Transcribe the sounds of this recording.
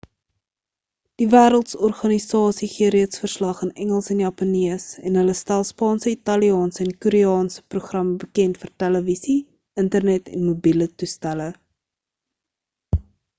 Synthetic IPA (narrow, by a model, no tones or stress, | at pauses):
d̥ivæːɾəlˠtsɔrχɑnisɑːsiχiəɾiətsfərslɐχənɛŋəlˠsɛnjɑpɐniəsɛnɦələstælˠspɑːnsəitɐliɑːnsəɛnkuɾiɑːnsə̥pruχrɐməbəkɛntfərtæləvisi | əntərnɛtɛ̰nmubilətustælə